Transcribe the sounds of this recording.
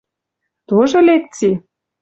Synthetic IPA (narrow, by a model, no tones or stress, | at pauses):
t̪oʒolek̚t͡si